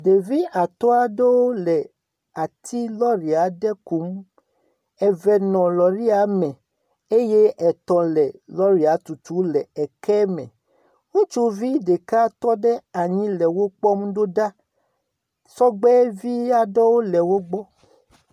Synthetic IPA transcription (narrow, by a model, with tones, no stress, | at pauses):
ɖe˨vi˦a˨t̪ɔ˦a˦ɖe˦wo˦lɛ˨ | a˨t̪ʰi˦lɔ˦ɾi˨a˨˦ɖɛ˦ku˨˦m | ɛ˨vɛ˨nɔ̃˨lɔ˨ɾi˦a˨˦mɛ̃˨ | e˦je˦ʔɛ˨t̪ɔ̃˨lɛ˨lɔ˦ɾi˨a˨˦t̪u˨t̪u˨˦lɛ˨ɛ˨kɛ˦mɛ̰̃˨ | ŋũ˦t͡ʃu˦vi˦ɖe˨ka˦t̪ɔ˦ɖɛ˦a˨ɲĩ˦lɛ˨wo˦k͡pɔ˦m˦ɖo˦ɖa˦ | sɔ˦ɡ͡bɛ˦vi˦ja˦ɖɔ˦wo˦lɛ˨wo˦ɡ͡bɔ˦